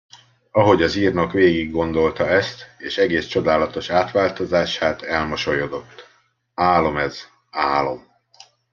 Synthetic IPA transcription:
ɒɦo̞ɟɒziːrnɒkʋeːɡiɡːo̞nd̪o̞lt̪ɒɛst̪eːʃɛɡeːst͡ʃo̞d̪aːlɒt̪o̞ʃaːt̪ʋaːlt̪o̞zaːʃaːt̪ɛlmɒʃo̞jod̪o̞t̪ː | aːlo̞mɛz | aːlo̞m

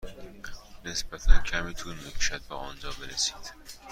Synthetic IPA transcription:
nesbæt̪ʰæncʰæmiːt̪ʰuːɾmikʰuʃæd̪̚beʔɒ̰nd͡ʒɒːbe̞ɾesi̥ːd̪̥

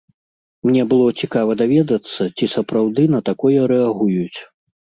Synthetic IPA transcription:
mnʲɛbɨlˠɔt͡sʲikavɐd̪avʲɛd̪ɐt̪sːɐt͡sʲisɐpɾawd̪ɨnɐt̪akɔjɐɾɛaɣujut͡sʲ

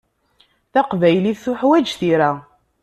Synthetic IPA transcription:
θaqvæjliθθʊħwæd͡ʒθiɾæ

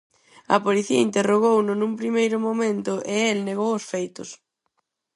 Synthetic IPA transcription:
ɐ̰poliθiɐ̰int̪eroɣownʊnũmpɾimejɾʊmomẽnt̪ʊʔɪelneɣowʊsfejt̪ʊs

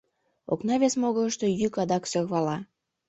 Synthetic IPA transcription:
o̰knɑβʲesmoɣələʃt̪ojykɑd̪ɑksøɣβɑlɑ

